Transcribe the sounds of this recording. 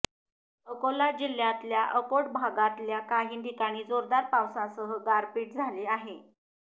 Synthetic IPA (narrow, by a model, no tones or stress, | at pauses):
əkolad͡ʑiljat̪ljaʔəkoɽbʱaɡat̪ljakaɦiːnɖikaɽ̃iːd͡zoɾd̪aɾpawsãsəɦəɡaɾpiːʈ̚d͡zʱaliːaɦe